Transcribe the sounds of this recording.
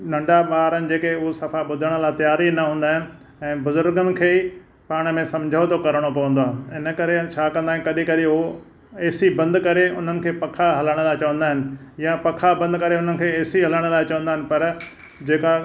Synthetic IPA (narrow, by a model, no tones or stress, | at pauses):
nɐ̃ɳɖaɓaːɾənɪ̆d͡ʑeːkeʊɦosɐfaɓʊd̪ʱəɽ̃ə̆laːt̪jaːɾinɐɦũːnd̪aːɦɪnɪ̆ | ɛ̃ːbʊzʊɾɡənɪ̆kʰeː | paːɽ̃̆mẽsɐ̃md͡ʑʱəot̪okɐɾəɽ̃opɐʋə̃nd̪oaːɦɪnə̆kɐɾet͡ɕʰaːkɐ̃nd̪aːɪ̃kɐɗĩkɐɗɪɦo | eːsibɐ̃nd̪kɐɾeʊ̰n̤ənɪ̆kʰeːpɐkʰaɦɐləɽ̃əlaːɪt͡ɕɐʋə̃nd̪aːɦɪnɪ̆japɐkʰabɐ̃nd̪kɐɾeʊn̤ənɪ̆kʰeːeːsiɦɐləɽ̃əlaːɪt͡ɕɐʋə̃nd̪aːɦɪ̃nɪ̆pɐɾ | d͡ʑeːka